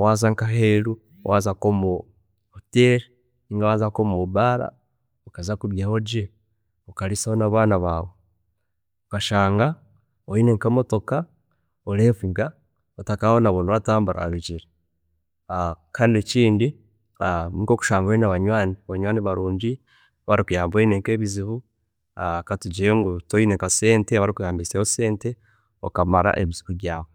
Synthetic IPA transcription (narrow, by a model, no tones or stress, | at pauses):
wazaŋkaɦeɾṵ | wʔazakomo | hoteɾi | niŋɡawaːzakomuβubaɾa̰ | okazakuβjehoɟe | okaɾisahonaβaːnaβaːwo | okaʃaːŋɡa | oineŋkamoto̞ka | oleːfiŋɡa | otakahonaβonoβataːmbuɾa̰ɾuɟiɾe | kʰaːndieciːndi | ikoku̥ʃaːmbwenaβaɲwaːniaβaɲwaːniβaɾuːɲɟi | βaɾikujaːmbenekeːβiziβu | katuɟiɾeŋɡutoinekase̞ːnteβaɾikujaːmbisehose̞ːnte | o̰kamaɾa̰ʔeβizi̥kuβjaːβo